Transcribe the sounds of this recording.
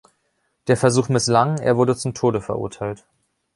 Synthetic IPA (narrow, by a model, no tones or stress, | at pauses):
d̥eːɐfɛɐzuːxmɪslaŋḛːɐvʊɐdət͡sʊmtʰoːɾəfɛɐʔʊ̰ɐtʰaɪlt